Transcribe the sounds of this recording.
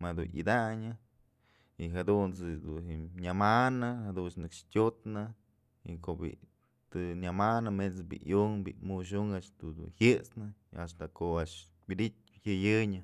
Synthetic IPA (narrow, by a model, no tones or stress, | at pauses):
mad̪unɨ̰d̪aɲɨ | iɦad̪unt͡sɨd̪unhiɲamanɨhad̪unt͡ʃnɨkʂtʲot̪nɨ | ḭkobḭ | t̪ɨɲʲamanɨmet͡sbḭʔjuŋbḭmuʃ̬uŋat͡ʃt̪ud̪ṵnhɨt͡snɨast̪akoʔaʂ | bid̪it̚ʲhɨjɨɲɨ